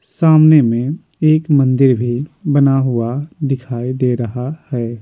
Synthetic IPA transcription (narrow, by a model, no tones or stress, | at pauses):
saːmnemẽ | eːkmɐ̃nd̪ɪɾbʱibɐnaɦʊad̪ɪkʰaːid̪eɾɐɦahɛː